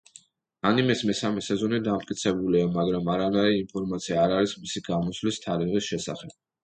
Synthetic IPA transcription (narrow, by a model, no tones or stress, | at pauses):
animɛsmɛsamɛsɛzɔnid̪amt̪̚ʼkʼit̪sʰɛbuliamaɡɾamaɾanaiiːmpʰɔɾmat̪sʰiaːɾaɾismisiɡ̥amɔsvlist̪ʰaɾiʁisʃɛsa̰χɛb̥